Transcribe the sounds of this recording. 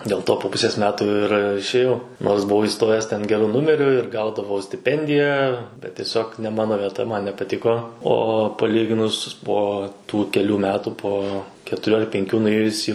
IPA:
dʲeːlˠ ˈtoː poː ˈpʊsʲeːs ˈmʲæːtuː ɪr ɪʃʲeːˈjɛʊ noːrs bʊˈʋɐʊ iːˈstoːjæːs ˈtʲɛn ɡʲɛˈrʊ ˈnʊmʲɛrʲʊ ɪr ˈɡɐʊdɐʋɐʊ sʲtʲɪˈpʲɛnʲdʲɪjæː bʲɛt tʲiɛˈsʲoːk nʲɛ ˈmɑːnoː ʋʲiɛˈtɐ ˈmɐn nʲɛpɐˈtʲɪkoː oː pɐˈlʲiːɡʲɪnʊs ˈpoː tuː kʲɛˈlʲuː ˈmʲæːtuː ˈpoː kʲɛtʊˈrʲuː ɐr pʲɛŋʲˈkʲuː nʊˈeːjʊs iː

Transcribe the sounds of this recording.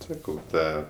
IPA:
ˈsɑːkɐʊ ˈtɑː

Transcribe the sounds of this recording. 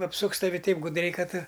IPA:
ɐpˈsʊks tɐˈʋʲɪ ˈtɐɪp ɡʊdʲˈrʲɛɪ ˈkɐt

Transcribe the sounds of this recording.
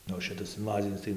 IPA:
ˈnʊ oː ˈʃʲɪtɐs ɪnˈʋɑːzʲɪnʲɪs tɐɪ

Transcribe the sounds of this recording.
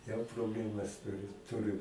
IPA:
jɛʊ proːbʲˈlʲæːmɐs ˈtʊrʲɪ ˈtʊrʲɪ

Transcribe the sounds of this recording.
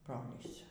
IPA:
ˈbroːlʲiːs

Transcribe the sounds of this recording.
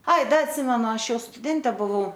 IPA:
ˈɐɪ ˈdɐ ɐtʲˈsʲɪmʲɛnʊ ˈɑːʃʲˈjɛʊ stʊˈdʲɛnʲtʲɛ bʊˈʋɐʊ

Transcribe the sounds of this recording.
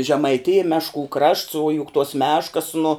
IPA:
ʒʲɛmɐɪˈtʲɪjɛ ˈmʲæːʃˌkuː krɐʃts oː jʊk tuɔs ˈmʲæːʃkɐs nʊ

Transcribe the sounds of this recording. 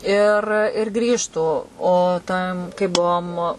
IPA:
ɪr ɪr ˈɡrʲiːʃtuː oː ˈtɐm kɐɪp ˈbuɔm

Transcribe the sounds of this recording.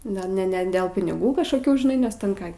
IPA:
ˈnʲɛ nʲɛ nʲɛ dʲɛlˠ pʲɪnʲɪˈɡuː kɐʃkoːˈkʲuː ʒʲɪˈnɐɪ nʲɛs tʲɛn ˈkɑː

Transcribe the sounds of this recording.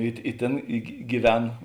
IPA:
ɪ ɪ ˈtʲeːn ɪ ɡʲɪ ɡʲɪˈʋʲɛn

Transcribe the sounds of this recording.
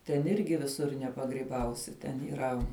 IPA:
tʲɛn ˈɪrʲɡʲɪ ʋʲɪˈsʊr nʲɛpɐɡrʲiːˈbɐʊsʲɪ tʲɛn iːˈrɐ

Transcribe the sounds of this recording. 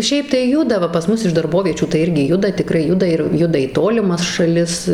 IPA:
ˈʃʲɛɪp tɐɪ ˈjʊdɐ ˈʋɐ pɐs ˈmʊs ɪʃ dɐrˈboːʋʲiɛt͡ʃʲuː tɐɪ ˈɪrʲɡʲɪ ˈjʊdɐ tʲɪˈkrɐɪ ˈjʊdɐ ɪr ˈjʊdɐ iː ˈtoːlʲɪmɐs ʃɐˈlʲɪs

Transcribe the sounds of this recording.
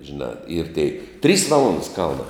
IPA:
ʒʲɪˈnɑː ɪr tʲeːɪ tʲrʲiːs ˈʋɑːlˠoːndɐs ˈkɐlˠnɑː

